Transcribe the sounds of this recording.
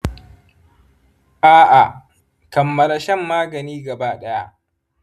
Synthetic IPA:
ʔaː˦ʔa˨ | kɐ˨mːɐ˦la˦ʃɛ˦mːaː˦ɡɐ˨niː˦ɡɐ˨baː˦ɗɐ˦ja˦ʔ

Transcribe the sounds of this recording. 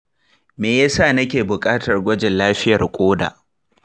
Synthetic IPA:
meː˨jaː˦saː˦˨nɐ˦kʲeː˨bʊ˨kʼaː˦tɐ˨rɡʷɐ˦d͡ʒɪ˨nlaː˦ɸɪ˦jɐ˨rkʷʼoː˦da̰ː˨ʔ

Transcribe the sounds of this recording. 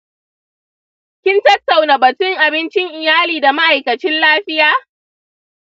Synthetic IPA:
kʲɪ˦ntɐ˦tːa˨wna˨bɐ˨tʊ˦ŋʔa˨bɪ˦nt͡ʃɪ˦ŋʔɪ˨jaː˦liː˨da˨ma˦ʔa˨jkɐ˨t͡ʃɪ˦nlaː˦ɸɪ˦jaː˦

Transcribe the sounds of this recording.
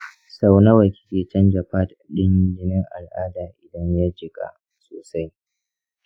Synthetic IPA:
sa˦wna˦wɐ˨kʲɪ̥˦kʲeː˨t͡ʃɛ˦nd͡ʒɐ˨ɸaː˦tɗɪ˦ɲ˦d͡ʒɪ˦nɪ˦ŋʔa̰˨lʔaː˦daː˨ʔɪ˨dɐ˦ɲjaː˦d͡ʒɪ˨ɡa̰˦ | so̰ː˨sa˦j

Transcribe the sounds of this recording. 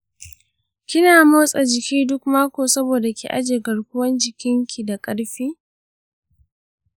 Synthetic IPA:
kʲɪ˦naː˨moː˦sʼa˨d͡ʒɪ˨kʲiː˦dʊ˦kmaː˦kʷoː˨sɐ˦boː˨da˨kʲḛː˨ʔa̰˦d͡ʒeː˨ɡɐ˨ɽkʷʊ˦wɐ˦nd͡ʒɪ˨kʲɪ˦ŋkʲʰi˨da˨kʼɐ˦ɽɸiː˦

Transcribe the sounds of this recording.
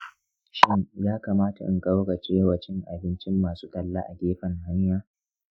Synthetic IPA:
ʃɪ˦ŋjaː˦kaː˨maː˦ta˨ʔɪ̰˨ŋkʼa˦wɡa˨t͡ʃʼeː˦waː˨t͡ʃɪ˦ŋʔa˨bɪ˦nt͡ʃɪ˦mːaː˨su˦tʼɐ˨lːa˦ʔa̰˨ɡʲeː˦ɸɐ˨ŋha˦ɲjaː˦

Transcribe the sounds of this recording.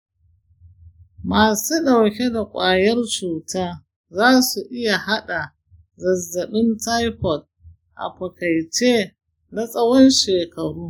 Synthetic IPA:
maː˨su˦dɐ˨wkʲe˦da˨kʷʼaː˨jɐ˦rt͡ʃuː˨taː˦ | zaː˦su˨ʔɪ˦ja˨ha˦ɗa˨ | zɐ˨zːɐ˨ɓɪ˦nta˦jɸɔ˨t̚ | ʔa̰˨ɸɐ˨kɐ˨jt͡ʃe˦ | na˨sʼɐ˦wɔ˦nʃeː˨kɐ˨ɽuː˦

